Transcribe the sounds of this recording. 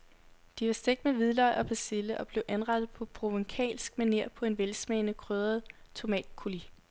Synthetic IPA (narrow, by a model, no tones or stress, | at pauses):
d̥iʋɑ̈sd̥eɡ̥̚meʋið̞ˠlɒɪʔɒ̽pʰæsd̥e̝ləʔɒ̽b̥le̝ʊʔænʁɑ̈d̥ð̩ˠpʰɒ̽pʰʁo̝ʋeŋkʰɛ̰ːlsɡ̥mæneɐ̰pʰɒ̽e̝nʋelsmɛːnəkʰʁøːðˠɐð̩ˠ | t͡sʰo̝mɛ̰ːd̥kʰuli